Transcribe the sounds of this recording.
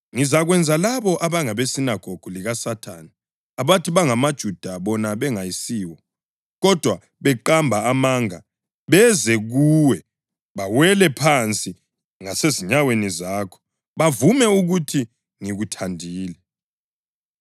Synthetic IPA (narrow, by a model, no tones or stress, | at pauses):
ŋizaɣwɛnd͡zʱalaβɔʔaβaŋaβesinaɡ̥ʱoɡ̥ʱuliɣasatʰani | aβatʰiβaŋamad̥ʒ̥ʱud̥ʱaβɔnaβɛŋajisiːwɔ | ɣɔd̥ʱwa | βɛǃambʱaamaːŋa | βɛzɛɣuːwɛ | βawɛlɛpʰant͡sʼi | ŋaseziɲawenizakʰɔ̥ | βavumɛuɣutʰi | ŋiɣutʰandʱiːlɛ